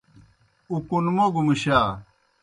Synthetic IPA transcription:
ukunmoɡumiɕaː

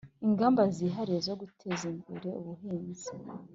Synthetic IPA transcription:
iŋɡaːmbaziːɦaɾiezo̞ɡutʰezimɡṵɾe̞uβuɦiːnzi̥

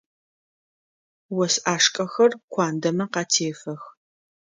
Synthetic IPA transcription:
wɐsʔaːʂkʼɐxɐrkʷʰaːndɐmɐqɑtʰeːfɐx

